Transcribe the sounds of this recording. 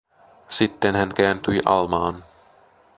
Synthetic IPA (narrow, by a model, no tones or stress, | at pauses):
sit̪ːenhæŋkæːnt̪yjʔɑ̰lmɑːn